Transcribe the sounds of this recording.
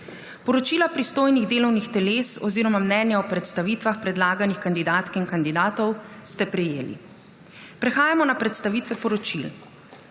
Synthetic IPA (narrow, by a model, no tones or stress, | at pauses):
pɔɾɔt͡ʃiːlapɾist̪oːjniɣd̪eːlɔwnixt̪ɛleːsɔziːɾɔmamnɛːnjaɔpɾɛt̪st̪aʋiːt̪ʋaxpɾɛd̪laːɡanixkand̪id̪aːt̪kinkand̪id̪aːt̪ɔwst̪ɛpɾɛjeːlḭ | pɾɛxaːjamɔnapɾɛt̪st̪aʋiːt̪ʋɛpɔɾɔt͡ʃil